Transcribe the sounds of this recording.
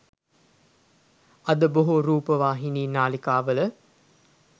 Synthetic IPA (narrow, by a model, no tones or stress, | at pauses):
ɐd̪əboɦoɾuːpəʋaːɦiniːnaːlikaːʋələ